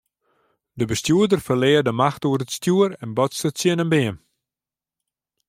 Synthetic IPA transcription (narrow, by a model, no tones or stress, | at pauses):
dəbəstjuədərfərlɪːərdəmaxtuərətstjuəɾɛnbɔtsətsjɪnənbɪən